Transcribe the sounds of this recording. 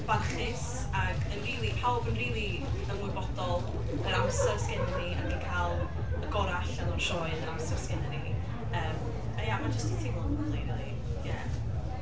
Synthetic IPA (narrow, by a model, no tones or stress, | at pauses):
b̥arχɪs | aɡənriːlˠipʰawbənriːlˠi | ənwʊbɔd̥ɔlˠ | əɾawsərsɡɛnɛniə̰dikʰalˠ | əɡɔɾaɬɛlˠunʃʰɔɨnəɾawsərsɡɛnɛni | əːm | jamad͡ʒəstitʰimɔnwɛlˠinɔi | ja